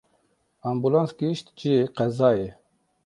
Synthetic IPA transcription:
ɑmbulãːnsɡiʃt̪d͡ʒiqɛzɑːje

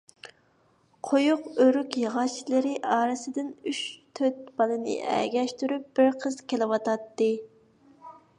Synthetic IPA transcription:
qʰojuqøɾykʲjəʁɑt͡ʃʰilɪɾɪʔɑːɾɨsɨd̪ɪnyʃt̪ʰøt̪̚b̥ɑlˠɨnɪ̰ʔɛ̰ɡʲɛʃt̪yɾyp̚b̥ɪɾqʰəz̥kʲʰelɪwɑt̪ɑt̪ːɨ

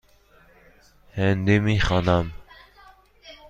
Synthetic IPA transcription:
hɛnd̪imiχɑnam

